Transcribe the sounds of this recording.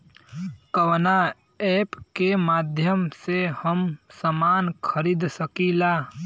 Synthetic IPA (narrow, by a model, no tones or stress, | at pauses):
kəwna | eːpkemaːd̪ʱjəmsehəmsəmaːnkʰəɾiːd̪səkilaː